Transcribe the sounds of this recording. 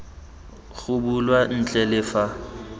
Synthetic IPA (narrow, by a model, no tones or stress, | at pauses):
ɣʊbulwan̩t͡ɬʼɛlɪfa